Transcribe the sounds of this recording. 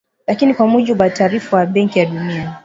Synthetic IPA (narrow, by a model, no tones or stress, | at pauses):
lakinikwamuʄiɓwataːɾifawaɓɛŋkijaɗunia